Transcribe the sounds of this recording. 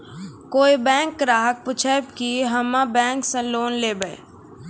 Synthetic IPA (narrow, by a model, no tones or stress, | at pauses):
koːibɛ̃ːŋkːɾaːɦək̚pʊt͡ʃʰɛbkiɦɐmãbɛ̃ːŋksə̃loːnleːbəḛ